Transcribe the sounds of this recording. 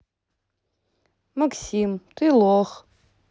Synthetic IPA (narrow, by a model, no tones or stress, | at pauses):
mɐksʲimt̪ɨlˠox